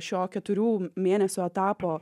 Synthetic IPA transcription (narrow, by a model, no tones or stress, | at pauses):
ʃʲoːkʲɛt̪ʊɾʲuːmʲeːnʲɛsʲʊɛt̪ɑːpoː